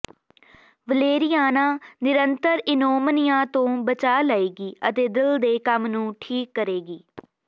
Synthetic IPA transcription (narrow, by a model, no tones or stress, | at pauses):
ʋəleːɾɪjaːnãːnɪɾənt̪əɾɪnoːmnɪjãːt̪õːbət͡ʃaːlaːeːɡiːət̪eːd̪ɪld̪eːkəmnũːʈʰiːkːəɾeːɡiː